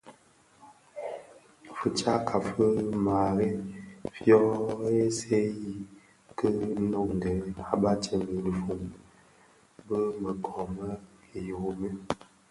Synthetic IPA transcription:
fə˨t͡ʃa˦kʰa˨fə˦ma˨ɣe˦fjɔ˦e˦se˦ji˦ | kə˦nɔ˦ŋ˨ɡɛ˨˦a˦ba˦t͡ʃə˨mi˨lə˨fu˨m | bə˦mə˨kʰɔ˨mə˦e˨jo˨me˦

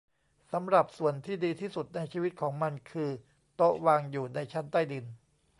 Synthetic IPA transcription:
sa˩˦mɾa˨˩p̚su˨˩ənt̪ʰiː˥˩diː˧t̪ʰiː˥˩su˨˩t̪̚na˧jt͡ɕʰiː˧wi˦˥t̪̚kʰɔː˩˦ŋma˧nkʰɯː˧ | t̪o˦˥waː˧ŋjuː˨˩na˧jt͡ɕʰa˦˥nt̪a˥˩jdi˧n

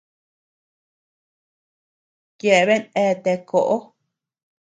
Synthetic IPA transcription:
kje˧ʔe˧βe˦nẽ˧t̪e˧ko˨ʔo˦

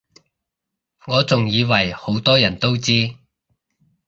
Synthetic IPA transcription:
ŋɔː˨˧t͡sʊ˨ŋjiː˨˧wɐ˨˩jho˨˥wt̪ɔː˥jɐ˨˩nt̪o˥wt͡siː˥

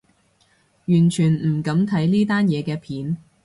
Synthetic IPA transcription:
jyː˨˩nt͡ʃʰyː˨˩nm̩˨˩kɐ˨˥mt̪ʰɐ˨˥jniː˥t̪aː˥njɛː˨˧kɛː˧pʰiː˨˥n

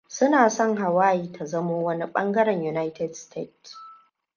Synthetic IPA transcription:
sʊ˦naː˨sɔ˦ŋɦa˨waː˦jiː˦tʰa˨zɐ˦moː˦wɐ˦ni˦ɓɐ̰˦ŋɡɐ˦ɾɛ˨ɲju˨na˦jtʰɛ˨dstʰḛ˦˨ts

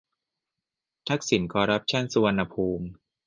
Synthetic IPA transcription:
t̪ʰa˦˥k̚si˩˦nkʰɔː˧ɾa˦˥p̚t͡ɕʰa˥˩nsu˧wa˧nːa˧pʰuː˧m

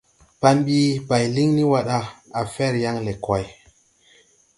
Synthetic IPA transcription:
pa˧nɓi˦ba˨jli˦ŋni˦wa˦ɗa˧a˨fɛ˦˨ɾja˦ŋle˨kwa˨j

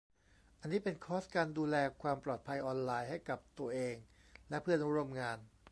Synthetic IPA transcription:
ʔa˧nːiː˦˥pe˧nkʰɔː˦˥skaː˧nduː˧lɛː˧kʰwaː˧mplɔː˨˩t̪̚pʰa˧jʔɔː˧nlaː˧jɦha˥˩jka˨˩p̚t̪u˧ɐʔeː˧ŋ | lɛ˦˥pʰɯ˥˩ən˦u˦˥ɾo˧mŋaː˧n

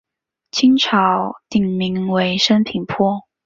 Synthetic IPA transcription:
t͡ɕʰi˥ŋʈ͡ʂʰɑ˧˥ʊt̪i˨˩ŋmi˧˥ŋwe˧˥ɪʂə˥np̪ʰi˨˩ŋpʰwɔ˥˩

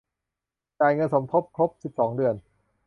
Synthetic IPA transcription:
t͡ɕaː˨˧˩jŋɤ˧nso˩˦mpʰo˦˥p̚kʰɾo˦˥p̚si˨˩p̚sɔː˩˦ŋdɯ˨˩ən

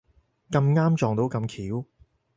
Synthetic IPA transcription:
kɐ˧mŋaː˥mt͡ʃɔː˨ŋt̪o˨˥wkɐ˧mkʰiː˨˥w

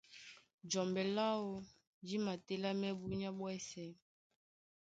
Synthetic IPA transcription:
d͡ʒɔ˨mbɛ˨la˦o˨ | d͡ʒi˦ma˨tɛ˦la˦mɛ˦bu˦ɲ˦a˦ɓwɛ˦sɛ˦

